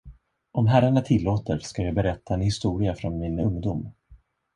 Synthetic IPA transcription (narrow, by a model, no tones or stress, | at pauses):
ʔɔmɦæɾaɳat̪ʰɪlːoːt̪əɾskajɑːbɛɾɛt̪ʰːaɛnhɪst̪uːɾɪafɾɔnmɪnɵŋd̪ʊm